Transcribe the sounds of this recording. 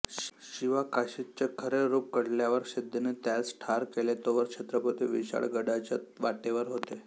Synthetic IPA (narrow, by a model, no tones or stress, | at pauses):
ɕiʋakaɕit͡ɕekʰəɾeɾup̚kəɽljaʋəɾkɕed̪ːenet̪jat͡sʈʰaɾkelet̪oʋəɾkʂet̪ɾəpət̪iʋiɕa̰ɭɡəɽat͡ɕa̰t̪ʋaʈeʋəɾɦot̪e